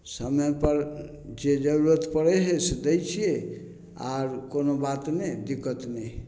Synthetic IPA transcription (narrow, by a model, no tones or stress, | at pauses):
səməpəɾ | d͡ʒed͡ʒəɾuɾət̪pəɽɛɦesed̪ejt͡ʃʰije | a̰ɾkonobat̪ned̪ikət̪nɛ